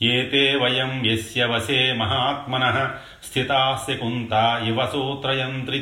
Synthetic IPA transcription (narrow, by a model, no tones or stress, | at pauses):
eːt̪eːʋɐjɐmʋjesjɐʋɐseːmɐɦaːt̪mɐnɐɦɐ̆ | st̪ʰit̪aːsjɐkunt̪aːiʋɐsoːt̪ɾɐjɐnt̪ɾi